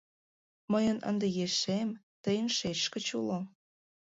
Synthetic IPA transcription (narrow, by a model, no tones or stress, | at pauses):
məjənə̰nd̪ejeʃem | t̪əjənʃet͡ɕʃkə̆t͡ɕulo